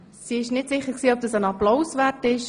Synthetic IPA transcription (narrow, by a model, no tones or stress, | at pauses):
siːɪʃnɪtsɪχəksiːɔp̚d̥ɑsənɑploʊsvɛtɪʃ